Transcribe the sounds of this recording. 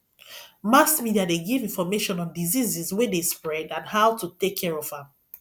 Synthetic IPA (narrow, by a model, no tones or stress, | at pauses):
masmidiadeɡivĩnfɔmeʃɔ̃nɔ̃ndizizizwedespɹɛdãnhaʊtutekʰːɛɹɔv̥ãm